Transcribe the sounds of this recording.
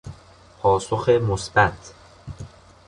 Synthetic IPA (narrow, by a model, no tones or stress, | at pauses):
pʰɒːsoxemosbæt̪ʰ